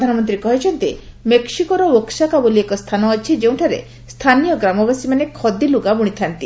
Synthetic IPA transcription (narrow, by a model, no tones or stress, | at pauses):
d̪ʱanɔmɔnt̪ɾikɔɦit͡ʃʰɔnt̪imeksikɔɾɔoksakaboliekɔst̪ʰanɔːt͡ʃʰid͡ʒew̃ʈʰaɾḛ | st̪ʰanijɔɡɾamɔbasimanekʰɔd̪iluɡabuɽ̃it̪ʰant̪i